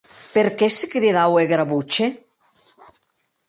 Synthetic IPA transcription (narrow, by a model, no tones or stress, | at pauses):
peɾkesekɾiðaweɣɾaβut͡ʃe